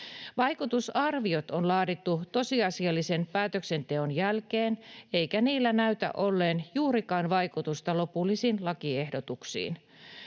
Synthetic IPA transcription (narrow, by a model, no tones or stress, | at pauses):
ʋɑjkut̪usɑrʋiot̪onlɑːdit̪ːut̪o̞siɑsiɑlːisenpæːt̪øksent̪eonjælkeːneikæniːlːænæyt̪æ̰ʔo̞lːeːnjuːɾikɑːnʋɑikut̪ust̪ɑlo̞pulːisiːnlɑkiehdot̪uksḭːn